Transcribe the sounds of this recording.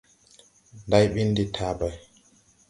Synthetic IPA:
ndajɓinditʰaːbaj

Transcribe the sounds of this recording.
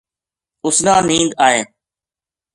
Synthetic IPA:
ʊsnãːnĩːnd̪aːɦeː

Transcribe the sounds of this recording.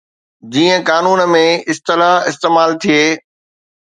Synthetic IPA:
d͡ʑiːə̃kaːnuːnəmẽɪst̪ɪlaɦɪst̪eːmaːlt̪ʰijeː

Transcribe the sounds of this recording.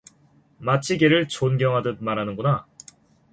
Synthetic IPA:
mat͡ɕʰiɡeɾɯɭt͡ɕonɡjʌŋɦadɯd̚maɾɦanɯnɡuna

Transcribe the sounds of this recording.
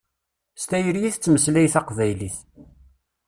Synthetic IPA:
st̪æjəɾjiθt͡sːməslæjθæqvæjliθ

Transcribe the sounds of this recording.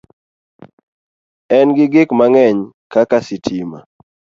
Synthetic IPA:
ɛnɡɪɡɪkmaŋɛɲ | kakasɪtʰima̰

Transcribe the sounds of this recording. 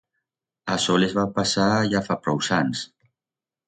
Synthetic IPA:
asɔlezβapasaʒafapɾɔwsans

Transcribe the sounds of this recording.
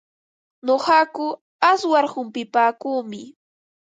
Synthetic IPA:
ɲoχɑkʊ | aswaɾhʊmpɪpaːkuːmɪ

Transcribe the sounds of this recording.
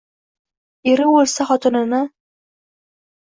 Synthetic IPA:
eɾɪolʲsaχɒt̪ɨnɪnɪ

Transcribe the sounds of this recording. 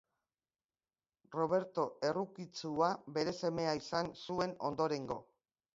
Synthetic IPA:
ro̞β̞e̞ɾt̪o̞e̞rukit͡suaβe̞ɾe̞se̞me̞aisansue̞no̞̰nd̪o̞ɾe̞ŋɡo̞̰

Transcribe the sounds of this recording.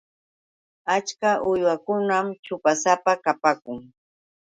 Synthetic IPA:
at͡ʃkaʔʊjwakʊnamt͡ʃʊpasapakapakʊŋ

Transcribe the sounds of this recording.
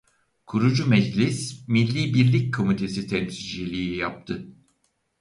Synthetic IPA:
kʰuɾud͡ʒumɛd͡ʒlʲismilʲːiːbiɾlʲic̚kʰo̞mit̪ʰe̞sit̪ʰɛnsid͡ʒelʲijijap̚t̪ʰɯ

